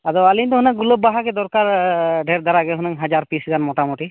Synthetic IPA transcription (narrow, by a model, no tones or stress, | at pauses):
ad̪ɔalint̪ɔɦunaŋɡulɔb̚baɦakɛd̪ɔɾkaɾɖʱɛɾd̪aɾaɡɛɦɔnɛŋɦad͡ʒaɾpisɡanmɔʈamuʈi